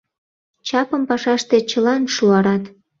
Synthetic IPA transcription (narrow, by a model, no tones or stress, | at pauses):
t͡ɕɑpəmpɑʃɑʃt̪et͡ɕəlɑnʃuɑɾɑt̪